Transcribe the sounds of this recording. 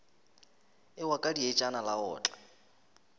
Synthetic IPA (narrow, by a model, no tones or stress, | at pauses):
ɪwakʼadiet͡ʃʼanalaɔ̰ːt͡ɬʼḁ